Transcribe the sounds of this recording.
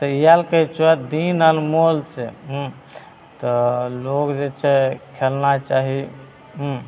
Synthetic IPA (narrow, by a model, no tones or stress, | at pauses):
t̪əijalkət͡ʃʰuɛt̪d̪inəlmolt͡ʃʰɛɦũ | t̪ɔlokd͡ʒet͡ʃʰɛkʰelnat͡ʃaɦi | ɦũ